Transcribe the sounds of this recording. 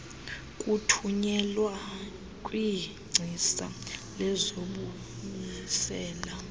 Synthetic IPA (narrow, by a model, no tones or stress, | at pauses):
kʼutʰuɲɛlwa | kʼwi | ŋ͡ǀʱisa̰lɛzoɓu | mɛsɛːla